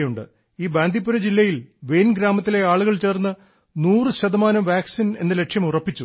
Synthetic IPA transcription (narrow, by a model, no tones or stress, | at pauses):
juɳɖɨ | iːbaːnd̪ʱipːuɾɐd͡ʑilːɐjilʋe̞jnɡɾaːmɐt̪ːile̞aːɭuɣɐɭt͡ɕe̞ːrnːɨ | nuːrɨɕɐd̪ɐmaːnɐmʋaːksine̞̰nːɐle̞ʈʂjɐmurɐpːit͡ɕːu